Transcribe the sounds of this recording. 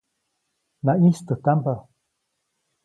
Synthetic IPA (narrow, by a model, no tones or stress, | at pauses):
naist̪əkambaw